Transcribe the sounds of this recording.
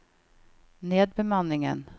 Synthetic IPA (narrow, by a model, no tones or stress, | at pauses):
neːd̪̚bɛmanːɪŋə̰n